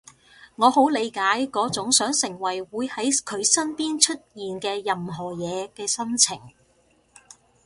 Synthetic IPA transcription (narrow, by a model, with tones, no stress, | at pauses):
ŋɔː˨˧ho˨˥wle˨˧jkaː˨˥jkɔː˨˥t͡sʊ˨˥ŋsœː˨˥ŋsɪ˨˩ŋwɐ˨˩jwuː˨˧jhɐ˨˥jkʰɵ˨˧ɥsɐ˥npiː˥nt͡ʃʰɵ˥t̚jiː˨nkɛː˧jɐ˨mɦɔː˨˩jɛː˨˧kɛː˧sɐ˥nt͡sʰɪ˨˩ŋ